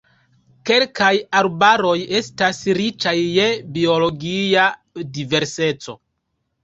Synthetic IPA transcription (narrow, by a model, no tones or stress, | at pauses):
ke̞lkajaɾbaɾo̞je̞stasɾit͡ʃajːe̞bio̞lo̞ɡia | dive̞ɾse̞t͡so̞